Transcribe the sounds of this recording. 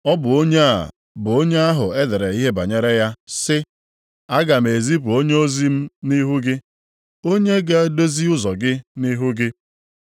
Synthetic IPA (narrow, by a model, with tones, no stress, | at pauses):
ɔ˦bʊ˨o˦ɲe˦a̰˨ | bʊ˨o˦ɲe˦a˦ɦʊ˨e˦de˨ɾe˨i˦ɦe˦ba̰˨ɲe˦ɾe˦ja˦sɪ˦ | a˦ɡa˨m̩˨e˨zi˦pu˨o˦ɲe˦o˦zi˦m̩˦ni˦ɦu˦ɡɪ˦ | o˦ɲe˦ɡa˦a˦do˦zi˦ʊ˦zɔ˨ɡɪ˦ni˦ɦʊ˦ɡɪ˦